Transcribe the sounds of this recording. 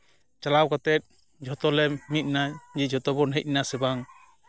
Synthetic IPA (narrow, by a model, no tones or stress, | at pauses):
t͡ʃalawkɔt̪ɛt̪̚ | d͡ʒʱɔt̪ɔlɛmit̪̚nad͡ʒid͡ʒʱɔt̪ɔbɔnɦɛc̚nasɛbaŋ